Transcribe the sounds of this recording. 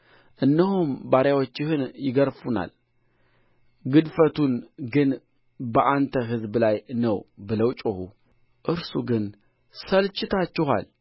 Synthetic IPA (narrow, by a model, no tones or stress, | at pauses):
ʔɨnːəhumbaɾjawot͡ʃːɪhɨnjɪɡəɾfuna̰l | ɡɨd̪fət̪ʰunɡɨn | bəʔant̪ʰəɦɨzblajnəwbɨləwt͡ʃʼohṵ | ʔɨɾsuɡɨn | səlt͡ʃʼːɪt̪ʰat͡ʃːɪɦa̰l